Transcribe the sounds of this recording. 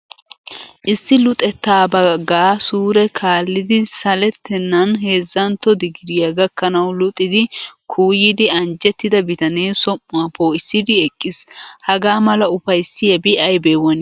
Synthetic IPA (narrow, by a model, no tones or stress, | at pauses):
ʔɪsːɪlʊt̪ʼɛt̪ːaːbɐɡaːsuːɾɛkʰaːlːɪd̪ɪsɐlɛt̪ʰːɛnːɐnɦe̞ːzːɐnt̪ːɔd̪ɪɡɪɾɪjɐɡɐkːɐnɐwlʊt̪ʼɪd̪ɪkʰuːjɪd̪ɪɐnd͡ʒɛt̪ːɪd̪ɐbɪt̪ɐneːsɔmːʊɐpoːɪsːɪd̪ɪɛkʼːɪshɐɡaːmɐlɐʊfɐjsːɪɛbɪʔɐjbeːwɐn